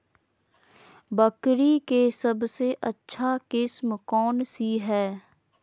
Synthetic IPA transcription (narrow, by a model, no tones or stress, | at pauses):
bəkɾikesəbseʔətːʃʰakɪsmkɔːnsiɦɛː